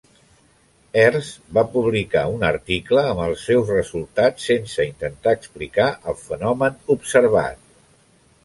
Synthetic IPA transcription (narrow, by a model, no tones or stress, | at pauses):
ɛrzbapuβlikaunəɾt̪ikləːməlˠsɛwzrəzulˠt̪at͡sːensəint̪ənt̪aəksplikaʔəlˠfənɔmənupsəɾβa̰t̪̚